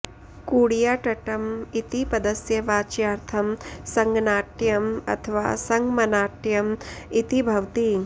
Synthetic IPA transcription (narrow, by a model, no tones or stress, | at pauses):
kuːɽjaːʈɐʈɐmit̪ipɐd̪ɐsjɐʋaːt͡ʃjaːɾt̪ʰɐmsɐŋɡnaːʈjɐmɐ̰t̪ʰɐʋa̰ːsɐŋɡmɐnaːʈjɐmit̪ibʱɐʋt̪i